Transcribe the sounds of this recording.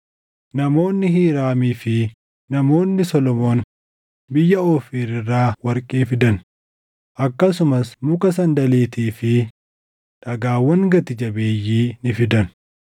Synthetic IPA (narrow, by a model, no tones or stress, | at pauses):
nɐmo̞ːnːɪɦiːɾaːmiːfɪ | nɐmo̞ːnːɪsɔlɔmo̞ːn | bɪjːɐoːfiːɾɪrːaːwɐɾkʼeːfɪd̪ɐn | ʔɐkːɐs̬ʊmɐsmʊkɐs̬ɐnd̪ɐleːt̪iːfɪ | ᶑɐɡaːwːɐŋɡɐt̪ɪd͡ʒɐbeːjːiːnɪfɪd̪ɐn